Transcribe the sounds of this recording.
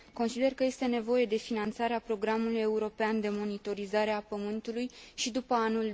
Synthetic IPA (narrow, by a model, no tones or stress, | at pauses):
ko̞nsid̪e̞rkəje̞st̪e̞ne̞vo̞je̞d̪e̞finant̪saɾeapɾo̞ɡɾamuluje̞uɾo̞peand̪e̞mo̞nit̪o̞ɾizaɾe̞apəmɨnt̪ulujʃid̪upəanul